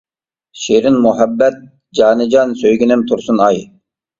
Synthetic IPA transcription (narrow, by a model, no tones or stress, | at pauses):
ʃeɾɪnmuɦɛbːɛt̪̚ | d͡ʒɑːnɨd͡ʒɑnsøjɡʲinɪmt̪ʰuɾsunɑj